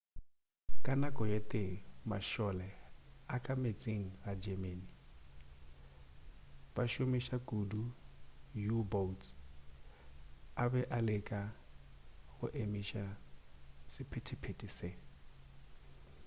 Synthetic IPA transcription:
kʼanakʼɔjetʼema̰ʃɔlɛakʼamet͡sʼeŋ̩ɣad͡ʒɛmeni | b̥aʃʊmɪʃakʼudu | jubotʰ | abɛʔalekʼa | hʊʔemiʃa | sɪpʰɪtʰɪpʰetʼɪse

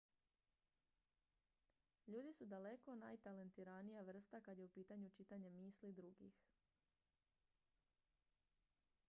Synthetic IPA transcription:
ʎuːd̪isud̪ale̞ko̞na̰jt̪ale̞nt̪iɾanijaʋr̩st̪akad̪je̞upiːt̪aɲut͡ʃit̪aɲemiːslid̪ɾuɡḭx

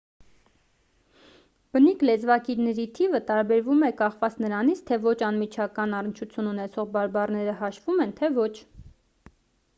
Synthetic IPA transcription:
b̥əniklɛt͡svɑkiɾnɛɾit̪ʰivət̪ɑɾbɛɾvumɛkɑχvɑt͡snəɾɑnit͡sʰt̪ʰɛvɔt͡ʃʰɑnmit͡ʃʰɑkɑnɑrənt͡ʃʰut͡sʰjununɛt͡sʰɔʁbɑɾbɑrnɛɾəhɑʃvumɛnt̪ʰɛvɔt͡ʃʰ

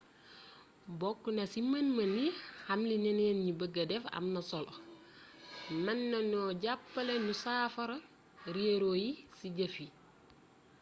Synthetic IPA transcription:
bɔkːunɐsimɐnmɐnihamlinɛnenɲibəɡɐdɛfɐ̰mnɐsɔlo | mɐnːɐnɔɟapːɐlenusaːfɐɾɐ | ɾieɾojisiɟɐfi

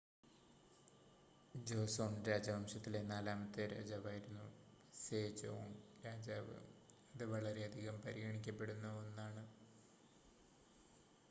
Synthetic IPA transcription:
d͡ʑo̞ːsoːɳɾaːd͡ʑabʱɐmɕɐt̪ːile̞naːlaːmɐt̪ːeɾa̰ːd͡ʑaːʋaːjiɾunːu | seːd͡ʑomɾaːd͡ʑaːʋɨ̰ | ɐðɨʋɐɭɐɾe̞ɐd̪ʱiɣɐmpɐɾiɣɐɳikʲːɐpːe̞ɽunːɐonːaːɳɨ

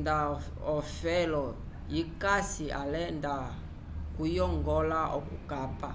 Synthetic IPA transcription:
nda | ɔfɛlɔ | jikasiʔalɛnda | kujɔŋɡɔlaʔɔkukapa

